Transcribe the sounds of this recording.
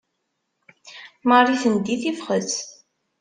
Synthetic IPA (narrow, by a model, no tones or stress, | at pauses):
mɑrˤiθənd̪iθifχəz